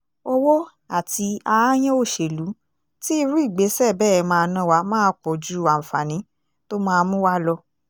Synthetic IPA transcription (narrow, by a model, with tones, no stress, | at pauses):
o˦wo˦ | a˨ti˧a˧a˦j̃ɛ̃˦o˦˨ʃe˨lu˨˦ | ti˦i˧ɾu˦i˦˨ɡ͡be˨˦sɛ˦˨bɛː˦˨ɛ˧mãː˧nã˦wa˧˦mãː˦˧˦k͡pɔ˨d͡ʒu˦ã˨fa˨nĩ˨˦ | to˦mãː˦˧mũ˦wa˦lɔ˧